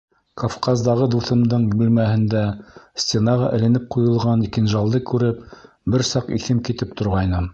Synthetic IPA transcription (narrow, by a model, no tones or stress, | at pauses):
kofqɑzd̪ɑʁɤd̪uθɤ̆md̪ɤɴbɘ̆lmæhɘ̆nd̪æsʲt̪ʲenɑʁɑ̰ʔɘ̆lɘ̆nɘp̚qujɤ̆lˠʁɑnikɘnʒɑlˠd̪ɤkʉɾɘp̚ | bɘɾsɑqiθɘmkit̪ɘp̚t̪ŏɾʁɑjnɤm